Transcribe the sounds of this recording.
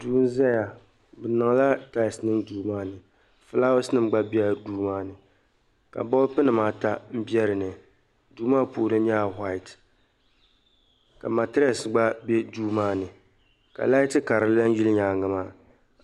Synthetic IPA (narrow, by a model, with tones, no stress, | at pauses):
duː˨˦n˦zɛ˦ja˨ | bɨ˨nɨ˨ŋ˨la˦ta˦˨snɨ˦ŋduː˨maː˦nɨ˨ | fɨ˦la˦wʊ˦snɨ˦m˦ɡ͡ba˦bɛ˦a˦duː˦maː˦nɨ˨ | ka̰˨bɔ˦lpɨ˦nɨ˨maː˦ta˦m̩˦bi˦ɛ˦ɾɨ˨nɨ˨ | duː˨˦maː˦pu˨lɨ˦ɲa˦˨ɦa˦ɪ˨t | ka̰˨ma˨tɪ˦ɾɛ˦˨sɡ͡ba˦bɛ˦duː˦maː˦nɨ˨ | ka̰˨la˦ɪ˦tɨ˦ka˨ɾɨ˨˦la˦n˦ji˦lɲaː˨ŋɨ˨maː˦˨